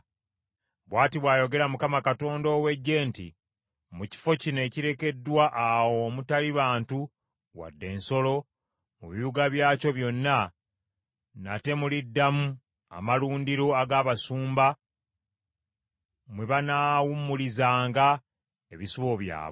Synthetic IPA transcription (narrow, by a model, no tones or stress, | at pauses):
βwaːtiβwaːjo̞ɡe̞ɾamukamakato̞ːndo̞ːwe̞ɟːe̞ːntḭ | muci̥fo̞cine̞ːciɾe̞ke̞dːwaʔawo̞mutaliβaːntu | wa̰dːe̞ːnso̞lo̞ | muβijuɡaβjaːco̞βjo̞nːa | nate̞mulidːamu | a̰maluːndiɾo̞aɡaːβasuːmba | mweβanaːwumːulizaːŋɡa | e̞βisuβo̞βja̰ːβ